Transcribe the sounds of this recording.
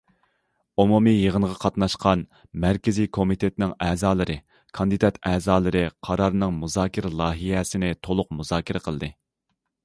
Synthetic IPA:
umumijəʁənʁɑqʰɑt̪nɑʃqʰɑn | mæɾkʲɪzikʰomit̪ʰet̪nɪŋɛːzɑːlˠɨɾɨ | kʰɑnd̪ɨd̪ɑt̪ʰɛːzɑːlˠɨɾɨqʰɑɾɑɾnɨŋmuzɑːkʲʰɪɾlˠɑːɦijɛsɪnɪt̪ʰolˠʊq̚muzɑːkʲʰɪɾɛqʰəlˠd̪ɨ

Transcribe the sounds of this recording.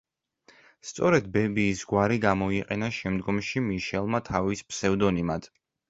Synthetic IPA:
st̪sʼɔɾɛd̪bɛbiːsɡwaɾiɡamɔiqʼɛnaʃɛmd̪ɡɔmʃimiʃɛlˠmat̪ʰavispʰsɛvd̪ɔnimad̪̥

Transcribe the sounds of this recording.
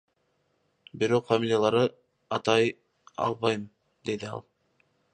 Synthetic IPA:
biɾo̞qfamilʲijalˠɑɾɯ | ɑt̪ɑj | ɑ̰lˠβɑjm | d̪e̞d̪iɑ̰lˠ

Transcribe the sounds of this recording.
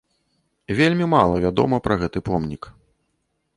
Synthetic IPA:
vʲelʲmʲimalˠɐvʲad̪ɔ̰mɐpɾɐɣɛt̪ɨpɔmnʲik

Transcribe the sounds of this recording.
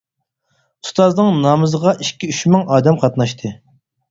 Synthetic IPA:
u̥st̪ɑznɨŋnɑmɨzəʁɑʔikʲiyʃmɪŋɑːd̪ɛmqʰɑt̪nɑʃt̪ʰɨ

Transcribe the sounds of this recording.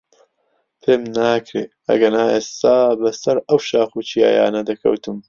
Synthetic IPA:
pʰeːmnaːkʰɾeː | ɐ̰ɡɐnaːeːst̪aːbɐsɐɾɐwʃaːxuːt͡ʃʰija̰ːja̰ːnɐd̪ɐkʰɐ̰wt̪ɨm

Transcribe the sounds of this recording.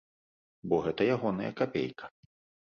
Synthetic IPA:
bɔɣɛt̪ɐjaɣɔnɐ̰jɐ̰kapʲḛjkʰɐ̥

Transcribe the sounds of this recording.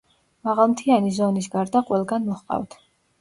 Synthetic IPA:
maʁalˠmt̪ʰianizɔnis̬ɡaɾd̪aqʼwɛlˠɡanmɔχqʼa̰vt̪ʰ

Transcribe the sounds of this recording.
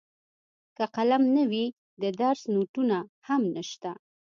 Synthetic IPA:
kaqalamnəwi | d̪əd̪aɾsnoʈunahamnəʃt̪a

